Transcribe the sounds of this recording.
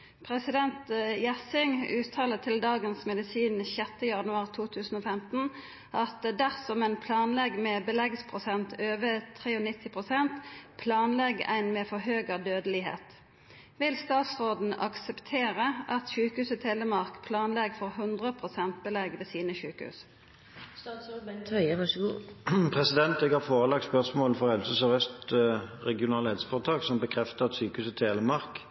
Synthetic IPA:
pʰʁɛsɪd̪ɛnt̪jæsɪŋʉːt̪ʰɑːlət̪ʰɪld̪ɑːɡənsmɛd̪ɪsiːnçɛt̪ːəjɑnʉɑːʁt̪ʰuːt̪ʰʉːsn̩oːfɛmt̪n̩ | ʔɑt̪d̪æʁsɔmæɪnpʰlɑːnlɛɡmɛːbəlɛɡspʰʁʊsɛnt̪ʰøːʋət̪ʰʁeːɔnɪt̪ʰːɪpʰʁʊsɛnt̪pʰlɑːnlɛɡæ̰ɪnmeːfɔʁɦøːɡəd̪øːd̪əlɪɦḛːt̪ | ʋɪlst̪ɑːt̪sʁoːd̪n̩ɑ̰ksəpt̪ʰeːʁəʔɑt̪ʃʉːkəhʉːsət̪ʰeːləmɑʁkpʰlɑːnlɛɡfoːʁɦʉnd̪ʁəpʰʁʊsɛnt̪̚bəlɛɡʋeːsiːnəʃʉːkhʉ̰ːs | sɑsot̪ʰœʏəʋɑʂɡpʰʁɛsɪd̪ɛnt̪ɛɡhɑːʁfoːʁəlɑk̚t̪spœʁsmoːlfɔʁhɛlsəsɔʁœst̪ʁɛɡɪʊnɑːləɛːd̪sfɔːʁət̪ʰɑːksɔmbəkʰʁɛft̪əɑt̪syːkəʉːsət̪ʰeːləmɑʁk

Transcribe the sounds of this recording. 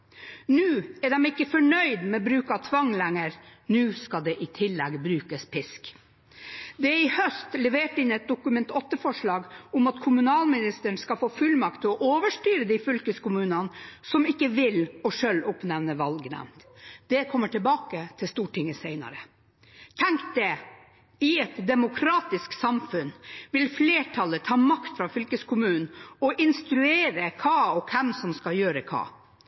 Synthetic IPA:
nʉːɛɖɛmɪkːəfɔɳœʏd̪mɛbɾʉːkɑt̪ʰʋɑŋlæŋːəɾnʉːskɑd̪ɛʔɪt̪ʰɪlːɛɡbɾʉːkəspʰɪsk | d̪ɛæɾɪhœst̪lɛʋeːʈɪnɛt̪̚d̪ʊkʉmɛnt̪ɔt̪ːəfɔʂɭɑːɡʊmɑt̪kʰʊmʉnɑːlmɪnɪst̪əɳskɑfoːfʉlmɑk̚t̪ʰːɪɔʔoːʋəʂʈyːɾəd̪ɪfʏlkəskʊmʉːnɑnsɔmɪkːəʋɪlɔʂøːlːʊpnɛʋnəʋɑlɡnæ̰ʋnt̪d̪̥ɛkʰɔmːəʈʰɪlbɑːkət̪ʰɪlst̪uːʈɪŋːəseɪnɑ̰ɾə | t̪ʰɛŋkt̪̚d̪ɛ | ɪɛt̪d̪ɛmʊkʰɾɑːt̪ɪsksɑmfʉnʋɪlfleːʈʰɑlət̪ʰɑːmɑkt̪fɾɑfʏlkəskʰʊmʉːnn̩ɔʔɪnst̪ɾʉeːɾəkʰɑːɔkʰɛmsɔmskɑljøːɾəkʰɑ̰ː

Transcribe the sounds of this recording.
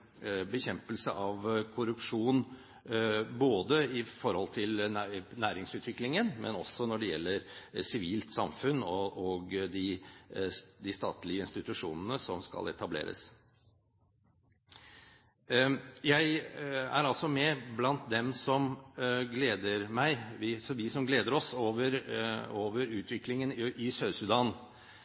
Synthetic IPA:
bəçɛmpəlsəʔɑʋkʰʊɾʉpʂuːn | boːd̪əɪfɔɾhɔlt̪ʰɪlnæːɾɪŋsʉːt̪ʰʋɪklɪŋənmɛ̰nɔsɔnɔɖɛjɛ̰lːəɾsɪʋiːlt̪sɑmfʉnːɔʔoɡd̪ɪ | d̪ɪst̪ɑ̰ːt̪lɪəɪnst̪ɪt̪ʉʂuːnənəsɔmskɑ̰lɛ̰t̪ɑblḛːɾə̰s | jæɪæ̰ɾɑlsɔmɛblɑnt̪̚d̪ɛmsɔmɡleːd̪əɾmæɪʋɪsɔʋɪsɔmɡleːd̪əɾɔsoːʋəɾoːʋəɾʉːt̪ʰʋɪklɪŋənɪsœʏsʉd̪ɑːn

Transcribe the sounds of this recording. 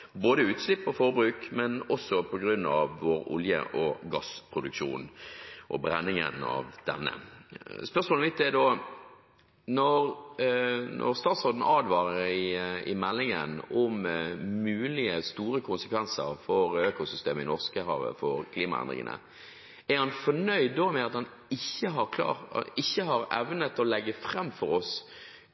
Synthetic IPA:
boːd̪əʉːt̪slɪpːɔfɔʁbɾʉːkmɛnɔsːɔpʰɔɡɾʉnːɑʋːɔɾʊ̰ljə̰ʔɔɡɑspʰɾʊd̪ʉkʂuːnʔɔbɾɛnːɪŋə̰nɑ̰ʋd̪̥ɛ̰nːə̰spœʁsmoːləmɪt̪ːɛd̪oː | nɔʁ | nʔɔ̰ʁst̪ɑːt̪sʁɔːd̪n̩ɑːd̪ʋɑːʁəɾɪɪmɛlːɪŋə̰nɔmmʉːlɪəst̪uːɾəkʰʊnsə̥kʰʋɛnsəɾfɔɾøːkʊsʏst̪eːməɪnɔʁskəhɑʋə̰fɔɾkʰliːmɑ̰ɛ̰nd̪ʁɪ̰ŋə̰nə̰ | æɾhɑnfɔɳœʏd̪d̪oːmɛɑt̪hɑn | ɪçːəɦɑɾkʰl̰ːɪçːəɦɑɾɛʋnət̪ɔlɛɡːəfɾɛmːfɔɾɔs

